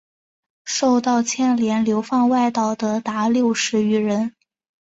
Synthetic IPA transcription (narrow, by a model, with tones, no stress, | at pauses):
ʂo˥˧ʊt̪ɑ˥˩˧ʊt͡ɕʰjɛ˥˩nljɛ˧˥nljo˧˥ʊfɑ˥˧ŋwa˥˧ɪt̪ɑ˥˩ʊd̪ə˩t̪a˧˥ljo˥˩ʊʂɻ̩˧˥y˧˥ɻə˧˥n